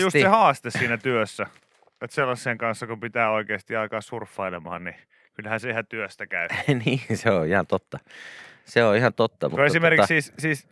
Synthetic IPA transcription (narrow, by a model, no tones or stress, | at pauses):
just̪sehɑːst̪essiːnæt̪yøsːæ | et̪selːɑsːeːŋkɑnsːɑkumpit̪æːoikeːst̪iɑikɑːssurfːɑilemɑ̰ːnni | kylhænseihæt̪yøst̪ækæyniːseoihɑnt̪ot̪ːɑseoihɑnt̪ot̪ːɑ̰mukoesimerkissiːssiːs